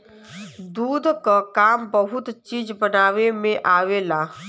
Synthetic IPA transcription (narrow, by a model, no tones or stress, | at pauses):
d̪uːd̪ʱkakaːmbəɦʊt̪t͡ʃiːd͡ʒbənaːʋemẽʔaːʋela